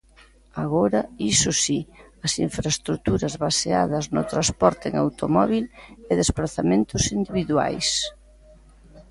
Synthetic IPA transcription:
aɣɔɾɐisʊsiɐsiɱfɾaest̪ɾut̪uɾɐzβasea̰ð̞ɐznʊt̪ɾaspɔɾt̪eḛŋawt̪omɔβ̞ilɛðespɾaθamẽnt̪ʊsind̪iβiðwa̰js

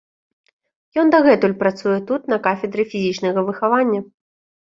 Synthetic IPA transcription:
jɔnd̪aɣɛt̪ulʲpɾat̪sujɛt̪ut̪nɐkafʲɛd̪ɾɨfʲizʲit͡ʂnɐɣɐvɨxavanʲːɐ

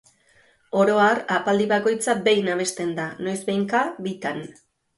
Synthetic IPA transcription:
o̞ɾo̞arapald̪iβako̞jt͡sabejnaβ̞e̞st̪e̞nd̪ano̞jzbejŋkaβit̪an

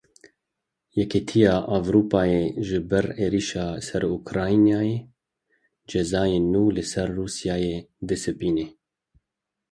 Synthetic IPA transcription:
jɛkʰet̪ʰijaːʔavɾuːpaːjeːʒɨbɛɾeːɾiʃaːsɛɾukʰɾaːjnjaːjeː | d͡ʒɛzaːjeːnuːlɨsɛɾːuːsjaːjeːd̪ɨsɨpiːneː

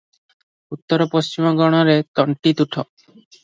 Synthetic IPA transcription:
ut̪ːɔɾɔpost͡ʃimɔɡɔɽ̃ɔɾet̪ɔɳʈit̪uʈʰɔ

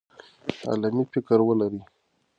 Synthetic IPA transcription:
a̰lamifɪkəɾwəlaɾi

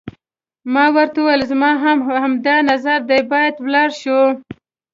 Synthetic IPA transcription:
mɑwəɾt̪auwajəlzmɑɦamhamd̪ɑnazaɾd̪ajbɑjad̪wlɑɽʃo

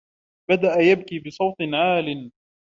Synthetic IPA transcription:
bad̪aʔajab̚kiːbɨsˤɑwt̪ˤɨnʕaːlɪn

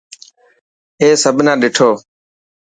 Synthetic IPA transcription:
eːsəbʱnãːɗɪʈʰoː

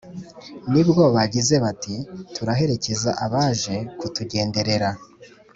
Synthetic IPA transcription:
nibɡo̞βaɟize̞βatituɾaɦe̞ɾe̞ce̞zaʔaβaːʒe̞kutuɟe̞ːnde̞ɾe̞ɾa

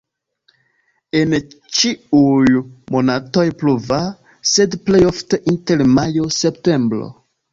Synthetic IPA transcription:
e̞n | t͡ʃiujmo̞nato̞jpluva | se̞dple̞jo̞fteʔinte̞lmajo̞se̞pte̞mbɾo̰

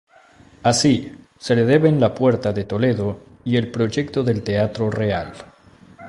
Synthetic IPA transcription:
asi | se̞leðe̞βe̞nlapweɾt̪aðet̪o̞le̞ðo | ielpɾo̞ʝekt̪oðe̞lt̪eat̪ɾoreal

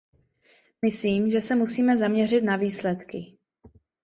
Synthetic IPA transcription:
mɪsliːmʒɛsɛmusiːmɛzamɲɛr̝ɪt̪naviːslɛt̪kɪ

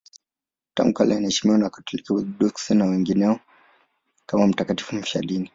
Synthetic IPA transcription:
ta̰ŋɡuka̰lajanaɛʃi̥miwanaku̥tulikawɛɗuksɛnawɛŋɡinɛɔ | kamam̩takati̥fum̩ʃa̰ɗini

